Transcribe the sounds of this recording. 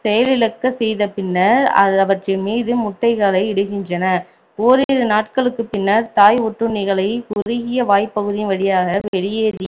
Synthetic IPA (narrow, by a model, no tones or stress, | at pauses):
sɛjɐlɪlɐkːɐsɛjðɐpɪnːɐɾɐ̰ðɐʋɐʈrɐɪmiːðɯmʊʈːɐɪɣaːlɐɪɪɽɯɣɪndrɐnɐ | oːɾeːɾɯnaːʈkɐɭɯkːɯpɪnːɐɾt̪aːjɔʈːɯnɪɣɐɭɐɪkʊɾɪɣɪjɐʋaːjpːɐɣɯðɪnʋɐɽɪjaːɣɐʋɛɻɪjeːðɪ